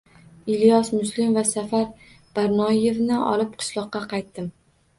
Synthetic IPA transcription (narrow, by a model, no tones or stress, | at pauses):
ɪljɒsmʊslɪmvasafaɾ | b̥aɾnɒje̞vnɪʔɒ̰lɪp̚qʰɨ̥ʃlˠɒqːɑqʰɑjt̪ːɪm